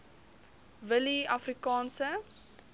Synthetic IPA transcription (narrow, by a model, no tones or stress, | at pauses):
vəliɐfrikɑːnsə